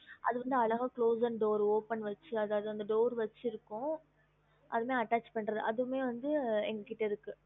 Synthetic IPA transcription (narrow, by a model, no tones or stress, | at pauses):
ʔɐ̰ðɯʋɐnd̪ɯɐlɐɣaːkɭoːsɐnɖoːɾoːpɐnʋɐt͡ʃːɯɐðaːʋðɯʋɐnd̪ɐɖoːɾʋɐt͡ʃːɪɪɾɯkːʊ̃ | ʔɐðɯmeːɐʈːaːt͡ʃpɐɳːɾɐðɯʔɐðɯmeːʋɐnd̪ɯɛŋɡɐkɪʈːɐɪɾɯkːɯ